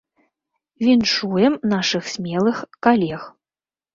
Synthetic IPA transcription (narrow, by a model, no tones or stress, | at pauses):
vʲinʂujɛmnaʂɨxsʲmʲɛlˠɨxkalʲɛx